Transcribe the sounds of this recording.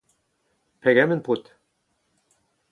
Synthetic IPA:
æɡæmɘ̆nput̪

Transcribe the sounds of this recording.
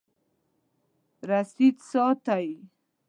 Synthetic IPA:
ɾasit̪sɑt̪aj

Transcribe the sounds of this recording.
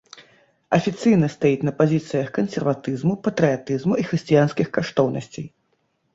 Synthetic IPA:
ɐfʲit̪sɨjnɐst̪ajit͡sʲnɐpazʲit̪sɨjɐxkɐnsʲɛrvat̪ɨzmupɐt̪ɾɨat̪ɨzmuixɾɨsʲt͡sʲijanskʲixkaʂt̪ɔwnɐsʲt͡sʲej

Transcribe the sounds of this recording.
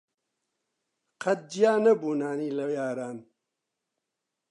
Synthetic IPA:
qʰɐt̪̚d͡ʒijaːnɐbuːnaːniːlɐjaːɾaːn

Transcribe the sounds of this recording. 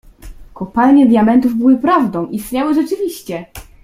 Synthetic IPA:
kɔpalɲɛd̪ʲjamɛnt̪uvbɘwɘpɾavd̪ɔ̃w̃ʔist̪ɲawɘʐɛt͡ʂɘvʲiɕt͡ɕɛ

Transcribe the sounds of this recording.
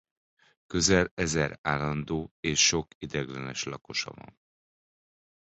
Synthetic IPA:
køzɛlɛzɛɾaːlːɒnd̪oːeːʃːo̞kid̪ɛɡlɛnɛʃlɒko̞ʃɒ̰vɒ̰n

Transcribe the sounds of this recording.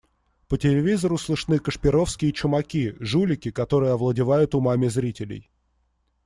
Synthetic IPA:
pətʲɪlʲɪvʲizəɾʊslˠɨʂnɨkəʂpʲɪɾo̞fskʲɪjət͡ɕʊmɐkʲiʐulʲɪkʲɪkɐt̪o̞ɾɨjəɐvlˠədʲɪvajʊt̪ʊmamʲɪzɾʲitʲɪlʲɪ̰j

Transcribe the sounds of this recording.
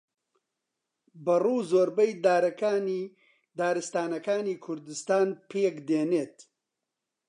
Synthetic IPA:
bɐruːzoːɾbɐjd̪aːɾɐkaːni | d̪aːɾɨst̪aːnɐkaːniːkʰʊɾd̪ɨst̪aːnpʰeːkd̪eːneːt̪

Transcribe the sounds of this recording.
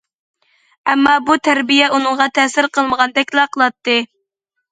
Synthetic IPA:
ɛmːɑbut̪ʰæɾbijɛʔunɨŋʁɑt̪ʰɛsɪɾqʰəlˠməʁɑnd̪ɛkʲlˠɑqʰəlˠɑt̪ːɨ

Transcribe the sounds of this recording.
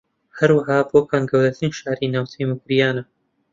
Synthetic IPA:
hɐɾwaɦaːboːkʰaːnɡɐwɾɐt̪ɨnʃaːɾinaːwt̪ʰejmukɾijaːnɐ

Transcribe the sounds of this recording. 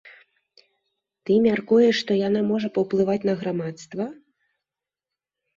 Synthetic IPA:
t̪ɨmʲarkujɛʂːt̪ɔjanamɔʐɐpɐwplˠɨvat͡sʲnɐɣɾamat̪st̪vɐ

